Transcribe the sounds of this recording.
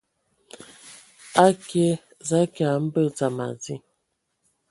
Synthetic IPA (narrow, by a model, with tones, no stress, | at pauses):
a˦ke˦ | za˦ka˨m̩˦bə˦˨t͡sa˨ma̰˨zi˦